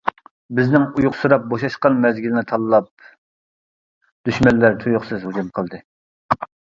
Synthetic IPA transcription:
bɪznɪŋujʊqsuɾɑp̚boʃɑʃqɑnmɛzɡʲilɪnɪt̪ʰɑlˠlˠɑp̚ | d̪̥yʃmɛnːæɾt̪ʰujʊχsɨzhuɡʲymqʰəlˠd̪ɨ

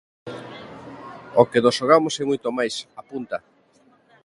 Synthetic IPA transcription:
okenosʃoɣamosɛmujt̪omajsapunt̪a

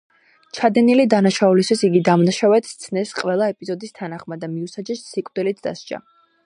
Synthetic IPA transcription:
t͡ʃʰad̪ɛnilid̪anaʃaulist̪ʰisiɡid̪amnaʃavwɛt̪ʰt̪sʰnɛsqʼwɛlˠaɛpʼizɔd̪ist̪ʰanaχmad̪amiusad͡ʒɛsːikʼvd̪̥ilit̪ʰd̪a̰st͡ʃa̰

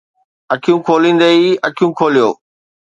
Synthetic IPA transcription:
ɐkʰijũkʰoːlĩːn̆d̪ɐiɐkʰijũːkʰoːlijo̰ː

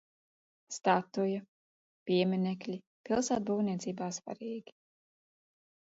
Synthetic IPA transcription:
st̪at̪ujɐ | piɛmʲinʲɛklʲi | pilˠsaːt̪̚buːwnʲiɛt̪siːbaːsva̰ɾiːɡʲi̥

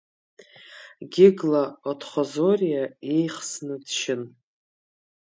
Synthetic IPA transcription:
ɡʲɪɡlaotʰχʷozoɾijaejχsnɨdʃɪn

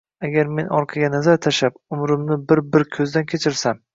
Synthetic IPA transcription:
aɡʲaɾme̞nʔɒɾqʰɑɡʲanazaɾt̪ʰaʃapʊmɾɪmnɪbɪɾbɪɾkʲʰɵzd̪ankʲʰet͡ʃʰɪɾsam

